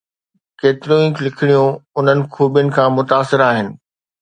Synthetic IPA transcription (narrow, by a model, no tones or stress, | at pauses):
keːt̪ɪɾijõĩːklɪkʰɪɽ̃ijũʊn̤ənɪ̆kʰuːbjʊnɪ̆kʰãːmʊt̪aːsɪɾaːɦɪnɪ̆